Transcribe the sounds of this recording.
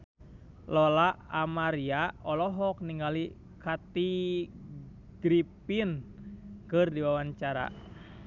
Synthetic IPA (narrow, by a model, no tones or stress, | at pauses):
lɔlaʔamaɾiaɔlɔɦɔk̚niŋɡali | kat̪i | ɡ̥ɾipin | kɨrdiwawaɲt͡ʃaɾa̰